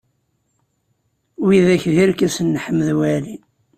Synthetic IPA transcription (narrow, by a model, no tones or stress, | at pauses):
wiðæçðiɾkæsənːħəmːðwæli